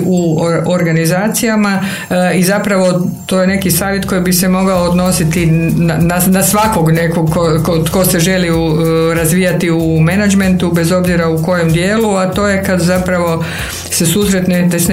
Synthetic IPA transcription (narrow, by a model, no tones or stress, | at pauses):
uoɾɡanizaːt̪sijama | izapɾaʋo̞t̪o̞je̞ne̞kisaːʋje̞t̪ko̞jibise̞mo̞ɡaoːd̪no̞sit̪inananasʋakoɡne̞koɡkokot̪ko̞seʒe̞liu | ɾazʋiːjat̪iume̞nad͡ʒme̞nt̪ube̞zo̞bziɾauko̞je̞md̪je̞ːluat̪o̞ːje̞kad̪zapɾaʋo̞ | se̞suːsɾet̪net̪esn